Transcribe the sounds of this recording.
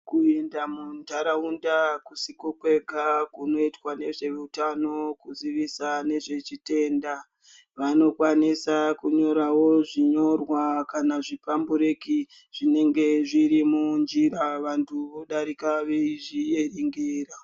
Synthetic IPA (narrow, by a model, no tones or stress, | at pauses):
kue̞ndamuntaɾaundakusikokwe̞ɡʱakuno̞itwane̞ʐe̞ʋuutano̞kuziʋisane̞ʐe̞t͡ʃite̞ːnda | ʋano̞kwanisakuɲo̞ɾawo̞ʐiɲo̞rwakanaʐipambuɾeki | ʐ̥ine̞ŋɡe̞ʐiɾimund͡ʒiɾaʋantʰuʋo̞ɗaɾikaʋeiʐie̞riŋɡeːra